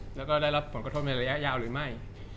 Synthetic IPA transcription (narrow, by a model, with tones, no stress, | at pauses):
lɛː˦˥wkɔː˥˩daː˥˩jɾa˦˥pʰːo˩˦nka˧t̪ʰo˥t̚na˧jɾa˧ja˦˥ʔjaː˧˩wɾɯː˩˦ma˥˩j